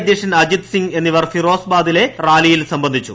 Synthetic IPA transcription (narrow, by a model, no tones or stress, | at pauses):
d̪jeːʂɐnɐd͡ʑid̪siŋɡe̞nːiʋɐrfiro̞ːsbaːd̪ile̞raːlijilsɐmbɐnd̪ʱit͡ɕːṵ